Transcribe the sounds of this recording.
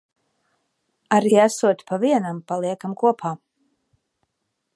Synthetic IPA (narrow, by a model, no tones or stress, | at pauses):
aɾiasuɔt̪pʰaviɛnampalˠiɛkamkuɔpʰaː